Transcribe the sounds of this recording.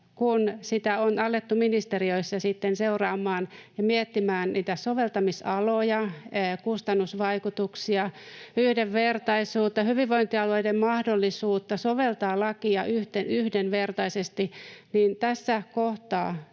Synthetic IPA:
kunsit̪æonɑlːet̪ːuminist̪eriøisːɑsit̪ːenseurɑːmːˑɑːnjɑmiɛt̪ːimæːnniːt̪æsoʋelt̪ɑmisɑlojɑkust̪ɑnːusʋɑikut̪uksiɑyhdeʋʋert̪ɑisuːt̪ːɑhyʋiʋʋoint̪iɑloidemmɑhdolːisuːt̪ːɑsoʋelt̪ɑːlɑkiɑʔyht̪enyhdenʋert̪ɑisest̪iniːnt̪æsːækoht̪ɑ̰ː

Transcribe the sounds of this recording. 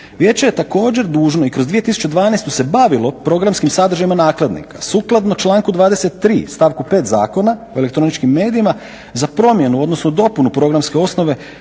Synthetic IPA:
ʋje̞ːt͡ɕe̞je̞t̪ako̞ːd͡ʑe̞ɾd̪uːʒno̞ikɾo̞zd̪ʋije̞t̪isu̥t͡ʃed̪ʋaːnest̪use̞baʋilˠo̞pɾo̞ɡɾamskimsad̪əɾ̩ʒajimanaːklˠed̪nḭkḁsuːklˠad̪no̞t͡ʃlˠaːŋkud̪ʋaːd̪ese̞t̪ːɾiːst̪aʋkupe̞ːt̪za̰ːko̞naoe̞le̞k̚t̪ɾo̞nit͡ʃkimːe̞ːd̪iima | zapɾo̞mje̞nuo̞d̪nosnod̪o̞punupɾo̞ɡɾamske̞o̞sno̞ʋe̞

